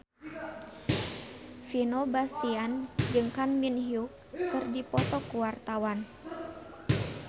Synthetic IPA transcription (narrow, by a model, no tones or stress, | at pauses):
finobast̪iand͡ʒɨŋkanminɦiukː | ɨrdipɔt̪ɔkuwart̪awan